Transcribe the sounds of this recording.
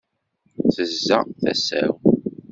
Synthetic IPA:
θəzːæθæ̰sæ̰w

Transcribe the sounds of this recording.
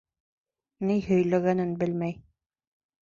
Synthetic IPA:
nihɵ̆jlæɡænɘnbɘlmæj

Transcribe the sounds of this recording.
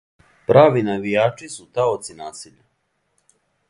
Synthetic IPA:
pɾʔaːʋinaʋijaːt͡ʃisut̪aot̪sinaːsiʎa

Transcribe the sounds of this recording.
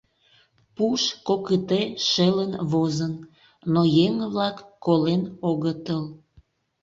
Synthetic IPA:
puʃkokət̪eʃelənβozən | nojeŋβlɑkːolenoɣət̪əl

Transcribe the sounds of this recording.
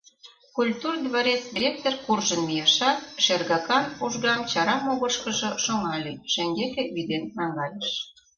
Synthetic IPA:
kulʲt̪urd̪βɑɾet͡sd̪ʲiɾʲek̚t̪orkurʒənmijeʃɑt̪̚ʃerɣɑkɑnuʒɣɑmt͡ɕɑɾɑmoɣəʃkə̆ʒɤ̆ʃoŋɑlʲiʃĕŋɡek̪eβid̪enːɑŋɡɑjeʃ

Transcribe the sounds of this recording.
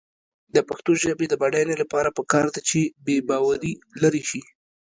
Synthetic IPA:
d̪əpaxt̪oʒəbed̪əbaɽajnelapɑɾapəkɑɾd̪at͡ʃebebɑwaɾilaɾiʃi

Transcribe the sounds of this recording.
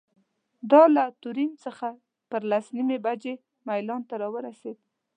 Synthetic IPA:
d̪ɑlat̪ʊɾimt͡səxa | pəɾlasnimebad͡ʒe | majlɑnt̪aɾɑwəɾased̪

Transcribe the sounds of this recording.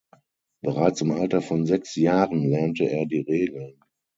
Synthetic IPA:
b̥əʁaɪt͡sɪmʔaltɐfɔnzɛksjaːʁənlɛɐntəʔeːɐdiːʁeːɡl̩n

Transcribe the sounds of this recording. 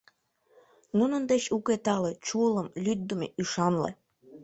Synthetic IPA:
nunənd̪et͡ɕuket̪ɑlet͡ɕuələmlʲyt̪̚d̪umḛʔyʃɑnlḛ

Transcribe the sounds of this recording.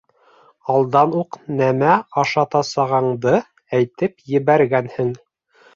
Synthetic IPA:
ɑlˠd̪ɑnuqnæmæɑʃɑt̪ɑsɑʁɑɴd̪ɤ | æjt̪ɘpjɘ̆βæɾɡænhɘŋ

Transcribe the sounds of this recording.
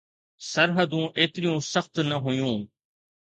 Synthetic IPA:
səɾɦəd̪ũːʔeːt̪ɾɪjõːsəxt̪nəɦoːjũː

